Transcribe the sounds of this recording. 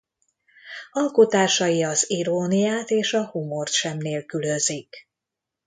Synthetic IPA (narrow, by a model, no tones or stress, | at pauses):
ɒlkot̪aːʃɒjiɒziɾoːnijaːt̪eːʃɒhumo̞rt̪ʃɛmneːlkyløzik